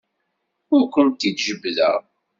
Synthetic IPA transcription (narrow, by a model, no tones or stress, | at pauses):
ʊɾkʷənt̪ːid̪ʒəbːðə̰ʁ